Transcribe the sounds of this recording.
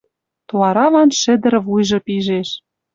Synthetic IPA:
t̪oɑɾɑβɑnʃɘ̆d̪ə̆ɾɤ̆vujʒɤ̆piʒeʃ

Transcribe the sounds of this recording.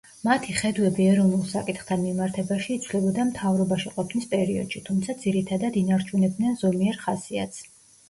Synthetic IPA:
mat̪ʰiχɛd̪wɛbiaɾɔmɛlˠsakʼit̪χt̪ʰanmimaɾt̪ʰɛbaʃiːt̪sʰvlɛbɔd̪amt̪ʰavɾɔbaʃiqʼɔpʰnispʼɛɾiɔ̰d̪̥ʃit̪ʰumt̪sʰad̪ziɾit̪ʰad̪ad̪inaɾt͡ʃʰunɛb̚d̪nɛnzɔmiɛɾχasia̰t̪s

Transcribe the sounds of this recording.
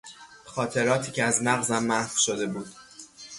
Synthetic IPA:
xɒːt̪ʰe̞ɾɒːt̪ʰiːcʰeæzmæɣzæmːæhv̥ʃo̞d̪e̞buːd̪̥

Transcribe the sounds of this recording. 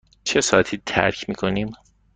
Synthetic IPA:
t͡ʃʰesɒːæt̪ʰiːt̪ʰæ̰ɾcʰmiːkʰo̞niːm

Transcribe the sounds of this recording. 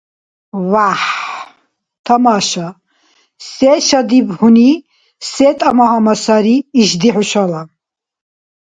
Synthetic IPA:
vaħ | t̪ʰamaʃa | sɛːʃad̪ibhuni | sɛːt̪ʼamahamasaɾiːʃd̪iħuʃala

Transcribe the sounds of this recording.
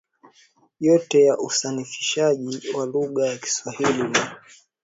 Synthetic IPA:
jɔtɛjaʔusanifi̥ʃaʄiwaluɠajaki̥swahilini

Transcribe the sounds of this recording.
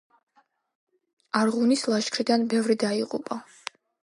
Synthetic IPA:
aɾʁunislˠaʃkʰɾid̪anbɛvɾid̪aiqʼṵpʼa

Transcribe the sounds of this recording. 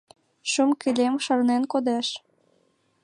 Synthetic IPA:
ʃumkilʲemʃɤ̆rnenkod̪æʃ

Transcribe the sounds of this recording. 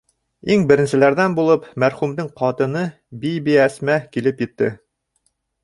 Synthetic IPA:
iŋbɘ̆ɾɘ̆nsɘ̆læɾðænbulˠɤpmæɾχumd̪ɤɴqɑt̪ɤ̆nɤ | bijbiæsmækilɘpjɘ̆t̪ːɘ

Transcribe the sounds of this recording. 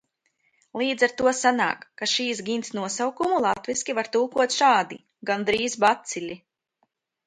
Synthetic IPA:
lˠiːd̪zaɾt̪uɔsana̰ːkːaʃiːsɡʲint̪snuɔsawkumulˠat̪viskʲivaɾt̪uːkuɔt̪ʃaːd̪i | ɡand̪ɾiːzbat̪silʲi

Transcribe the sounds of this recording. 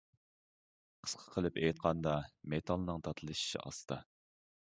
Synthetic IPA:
qʰə̥sqʰə̥qʰəlˠɨpejt̪̚qʰɑnd̪ɑmet̪ʰɑlˠnɨŋt̪ʰɑt̪ʰɨlˠɨʃi̥ʃḭɑ̰sɨ̥t̪ʰɑ

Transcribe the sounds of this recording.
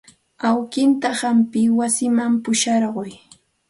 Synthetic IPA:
awkɪnt̪ahampɪwasɪmampʊʃɑɾɢʊj

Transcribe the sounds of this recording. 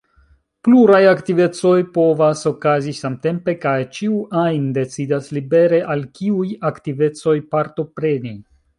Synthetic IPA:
pluɾajaktive̞t͡so̞jpo̞vaso̞kazisamte̞mpe̞kajt͡ʃiuʔajnde̞t͡sidaslibe̞ɾe̞ʔalkiujaktive̞t͡so̞jpaɾto̞pɾe̞ni

